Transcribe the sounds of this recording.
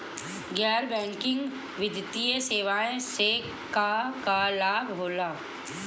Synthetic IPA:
ɡɛːɾbɛ̃ːŋkɪ̃ŋɡ | ʋɪd̪ʱt̪iəseːʋaːẽse | kakalaːbɦoːlaː

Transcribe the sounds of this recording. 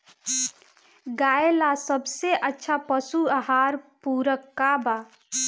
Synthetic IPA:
ɡaelasəbʱseʔətːʃʰapəsuaɦaɾpuɾəkːaba

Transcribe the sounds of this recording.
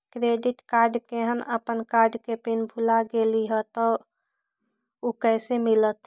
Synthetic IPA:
kɾeɖiʈkaɾɖkeɦənəpənkaɾɖkepinbʱulaɡeliɦət̪ɔ | okɛɪsemilət̪

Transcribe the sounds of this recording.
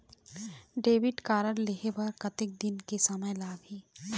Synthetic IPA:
ɖeːʋɪʈkaːɾəlleɦebɐɾkɐt̪ɪk̚d̪ɪnkesɐməjlaːɡiː

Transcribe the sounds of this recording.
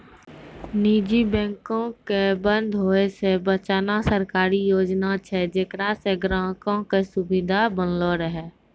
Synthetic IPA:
niːd͡ʒibɛ̃ːŋkõkebə̃nd̪ʱɦoːesebət͡ʃaːnasəɾkaːɾijoːd͡ʒnat͡ʃʰɛd͡ʒekɾaseɡɾãːkõkesʊbɪd̪ʱabənloɾəɦɛː

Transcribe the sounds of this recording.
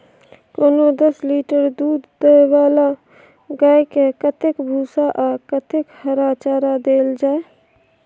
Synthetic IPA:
koːnod̪əsliːʈəɾd̪uːd̪ːəewaːla | ɡaːekekət̪ɪkbʱuːsaʔakət̪ɪkhəɾaːt͡ʃaːɾad̪eːld͡ʒaːe

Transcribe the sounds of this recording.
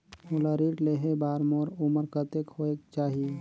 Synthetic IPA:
ʊləɾiːʈleːɦebaːɾmoːɾʊməɾkət̪ekhoekt͡ʃaːɦi

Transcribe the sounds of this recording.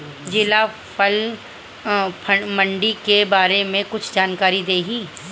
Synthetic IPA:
d͡ʒɪla | pʰɐl | pʰɐmɐ̃ɳɖikebaːɾemẽkʊt͡ʃʰd͡ʒaːnkaːɾid̪eːɦĩː

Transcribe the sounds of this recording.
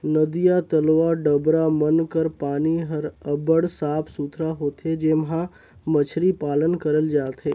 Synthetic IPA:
nəd̪ijat̪əlʋaɖəbɾamənkəɾpaːniɦəɾəbəɽsaːpʰsuːt̪ʰɾaɦoːt̪ʰed͡ʒeːmɦã | mət͡ʃʰɾipaːlənkəɾəld͡ʒaːt̪ʰɦeː

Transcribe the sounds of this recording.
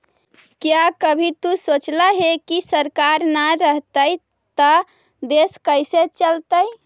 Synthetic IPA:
kjakəbʱit̪usot͡ʃlaɦekisəɾkaɾnaɾəɦt̪əj | t̪ə | d̪eskəjset͡ʃəlt̪əj

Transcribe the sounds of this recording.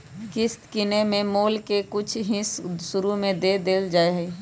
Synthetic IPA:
kɪst̪kɪnemẽmoːlkekʊt͡ʃʰɦɪ̃sːʊɾumẽd̪eːd̪eːld͡ʒaːeɦɛi

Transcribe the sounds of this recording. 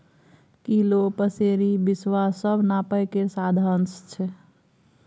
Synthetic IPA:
kilopəseɾibiswasəbʱnapəjkeɾsad̪ʱənst͡ʃʰɛ

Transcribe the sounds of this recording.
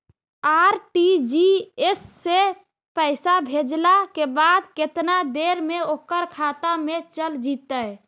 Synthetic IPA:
aɾʈid͡ʒiesːe | pəɪsabʱed͡ʒlakebad̪ket̪nad̪eɾmeokəɾkʰat̪amet͡ʃəld͡ʒit̪əj

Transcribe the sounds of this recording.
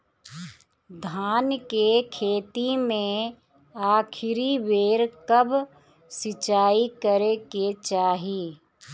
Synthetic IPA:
d̪ʱaːnkekʰeːt̪imẽ | aːkʰɪɾiʋeːɾkɐb | sɪt͡ʃaːikəɾeket͡ʃaːɦiː

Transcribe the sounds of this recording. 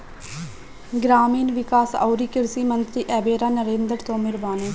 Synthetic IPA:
ɡɾaːmiːnʋɪkaːsa̰ːɾiːkɪɾsiːmənt̪ɾiːʔɛːbeːɾaːnəɾẽːnd̪əɾt̪oːmɪɾbaːneː

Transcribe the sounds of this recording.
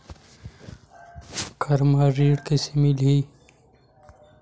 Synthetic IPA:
kʰɐɾmaːɾiːɽkesemilɦiː

